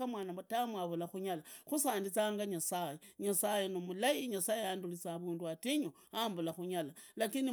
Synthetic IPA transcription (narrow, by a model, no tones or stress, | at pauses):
amwaːnamatamwaβulaxuɲalaxusaːndit͡saːŋɡaɲasajeɲasajenomulajiɲasajeandulit͡saβuːnduatiɲo | ambulaxuɲalalakini